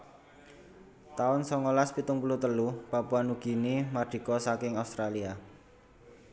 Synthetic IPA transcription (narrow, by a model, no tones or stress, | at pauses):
t̪aʊnsɔŋolaspit̪ʊŋpulut̪əlupapuanuɡ̥i̤nimaɖ̥i̤kɔsakɪŋaust̪ɾalia